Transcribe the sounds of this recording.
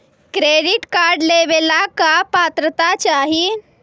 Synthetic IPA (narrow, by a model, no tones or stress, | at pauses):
kɾeɖiʈkaɾɖleʋelakapat̪ɾət̪at͡ʃaɦi